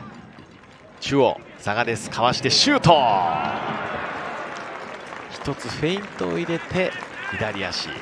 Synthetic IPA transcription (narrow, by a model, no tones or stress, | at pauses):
t͡ɕɨo̰ | saɡad̪e̞sɨ̥kʰaβaɕi̥t̪e̞ɕɨːt̪o | çi̥t̪o̞t͡sɨɸeĩnt̪oːiɾe̞t̪e̞ | id̪aɾʲijaɕḭ